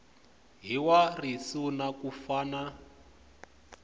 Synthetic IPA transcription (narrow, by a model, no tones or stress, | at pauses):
ɦiwarisunakufaːna